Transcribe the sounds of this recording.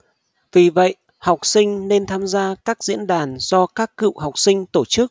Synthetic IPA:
vi˨˩və̰˧˨j | ha˨˩wk͡p̚sï˧ŋ̟ne˧nt̪ʰaː˧mzaː˧kaː˦˥k̚zḭ˧˥ənɗaː˨˩nz̥ɔ˧kaː˦˥kːɨ̰˧˨wɦa˨˩wk͡p̚sï˧ŋ̟t̪o˧˩t͡ɕɨ˦˥k̚

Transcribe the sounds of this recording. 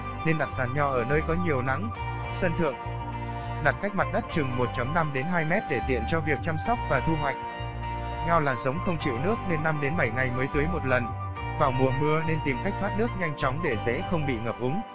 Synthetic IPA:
ne˧nɗa˨˩t̚zaː˨˩nɲɔ˧ʔəː˧˩nəː˧jkɔ˨˦ɲi˨˩əwna̰˧˥ŋ | sə˧nt̪ʰɨ̰˧˨əŋ | ɗa˨˩t̚ka˦˥jk̚ma˨˩t̚ɗə˦˥t̚t͡ɕɨ˨˩ŋmo˨˩t̚t͡ɕə˨˦mna˧mɗe˨˦nɦaː˧jmɛ˦˥t̚ɗe˧˩t̪ḭ˧˨ənt͡ɕɔ˧vi˨˩ək̚t͡ɕaː˧msɔ˦˥wk͡p̚vaː˨˩t̪ʰu˧ɦwa˨˩jk̟̚ | ɲa˧wlaː˨˩zə˨˦wŋ͡mxə˧wŋ͡mt͡ɕḭ˧˨wnɨ˦˥ək̚ne˧nːa˧mɗe˨˦nɓə˧˩jŋa˨˩jməː˨˦jt̪ɨ˨˦jmo˨˩t̚lə˨˩n | vaː˨˩wmu˨˩əmɨ˧əne˧nt̪i˨˩mka˦˥k̚fwaː˦˥t̚nɨ˦˥ək̚ɲa˧jŋ̟t͡ɕɔ˨˦wŋ͡mɗe˧˩zɛ̰˨˦xə˧wŋ͡mɓḭ˧˨ŋəː˨˩p̚ʔʊ˨˦ŋ͡m

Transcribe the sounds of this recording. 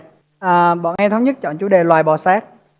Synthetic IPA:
ʔəː˨˩ɓɔ̰˧˨nʔɛ˧t̪ʰə˨˦wŋ͡mɲə˦˥t̚t͡ɕɔ̰˧˨nt͡ɕu˨˦ɗe˨˩lwaː˨˩jɓɔ˨˩saː˦˥k̚

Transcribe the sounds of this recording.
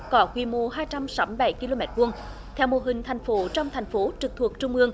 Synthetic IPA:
kɔ˨˦kwi˧˩mo˧˩ɦaː˧jt͡ɕa˧msaː˨˦mi˧˨jɓa˧˩jki˧lo˧mɛ˨˦˥t̚kwu˧ən | t̪ʰɛ˧wmo˨˩ɦï˨˩ŋ̟t̪ʰa˨˩jŋ̟fo˨˦t͡ɕɔ˧wŋ͡mt̪ʰa˨˩jŋ̟fo˨˦t͡ɕɨ˨˩k̚t̪ʰu˨˩ək̚t͡ɕʊ˧ŋ͡mʔɨ˧əŋ

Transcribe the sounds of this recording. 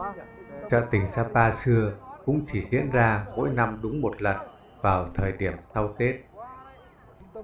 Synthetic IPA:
t͡ɕə̰ː˧˨t̪ï˨˩ŋ̟saː˧paː˧sɨ˧əkʊ̰˧˥ŋ͡mt͡ɕi˧˩zḭ˧˥ənzaː˧mo̰˧˥jna˧mɗʊ˨˦ŋ͡mmo˨˩t̚lə˨˩n̚ | vaː˨˩wt̪ʰəː˨˩jɗi˧˩əmsa˧wt̪e˦˥t̚

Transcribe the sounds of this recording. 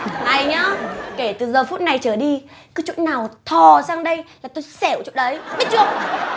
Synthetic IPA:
ʔa˧˩jɲaː˧˦ke˧˩t̪ɨ˨˩zəː˨˩fu˦˥t̚na˨˩jt͡ɕəː˧˩ɗi˧kɨː˨˦t͡ɕṵ˧˥nnaː˨˩wt̪ʰɔ˨˩saː˧ŋɗə˧jlaː˨˩t̪o˧jsɛ˧˩wt͡ɕṵ˧˨nɗə˨˦jɓi˦˥t̚t͡ɕu˧˩ək̚

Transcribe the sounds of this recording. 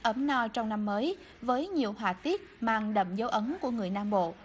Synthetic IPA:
ʔə˨˦mnɔ˧t͡ɕɔ˧wŋ͡mna˧mːəː˨˦j | vəː˨˦jɲi˨˩əwɦwaː˨˩t̪i˦˥ət̚maː˨˩ŋɗə̰˧˨mzə˨˦wʔə˨˦mku˧˩əŋɨ˨˩əjnaː˧mɓo̰˧˨

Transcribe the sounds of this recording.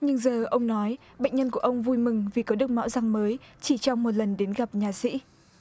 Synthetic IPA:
ɲɨ˧ŋzəː˨˩ʔə˧wŋ͡mnɔ˨˦j | ɓə̰˧˨ŋ̟ɲə˧nku˧˩əʔə˧wŋ͡mvu˧jmɨ˨˩ŋvi˨˩kɔ˨˦ɗɨ˨˩ək̚ma̰˧˥wza˧ŋməː˨˦jt͡ɕi˧˩t͡ɕɔ˧wŋ͡mmo˨˩t̚lə˨˩nɗe˨˦nɣa˨˩p̚ɲaː˨˩sḭ˧˥

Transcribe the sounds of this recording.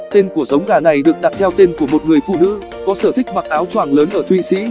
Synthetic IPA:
t̪e˧nku˧˩əzə˨˦wŋ͡mɣaː˨˩na˨˩jɗɨ˨˩ək̚ɗ̪a˨˩t̚t̪ʰɛ˧wt̪e˧nku˧˩əmo˨˩t̚ŋɨ˨˩əjfṵ˧˨nɨ̰˧˥ | kɔ˨˦səː˧˩t̪ʰï˦˥k̟̚maː˨˩ʔaː˨˦wt͡ɕwaː˧˩ŋləː˨˦nʔəː˧˩t̪ʰwḭ˧˨sḭ˧˥

